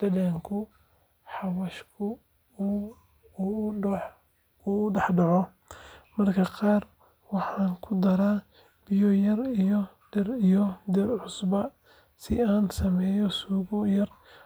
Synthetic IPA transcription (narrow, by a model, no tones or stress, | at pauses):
d̪̥ɐðɛːŋkʰʊ | ħɑwɐʃkʰʊ | ʊʊɖɑħɖɑʕɔ | mɐrkʰɐqɑːr | wɑħɑːŋkʰʊd̪ɐɾaː | b̥ɪjɔjɐrijɔd̪ɛrijɔd̪ɛrʕʊsbɐ | sɪ̰aːnsɐmɛːjɔsuːɣɔjɐr